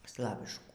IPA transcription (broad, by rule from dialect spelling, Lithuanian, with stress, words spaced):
ˈslˠɑːʋʲɪʃkuː